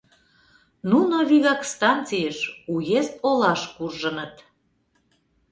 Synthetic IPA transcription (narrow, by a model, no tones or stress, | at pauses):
nunoβiɣɑkst̪ɑnt͡sijəʃujest̪olɑʃkurʒənət̪